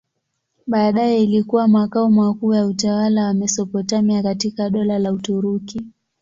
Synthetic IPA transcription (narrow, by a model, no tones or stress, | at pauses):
ɓaːɗajɛilikuwamakaumwakuːjautawalawamɛsɔpɔtamiakatikaɗɔlalautuɾuki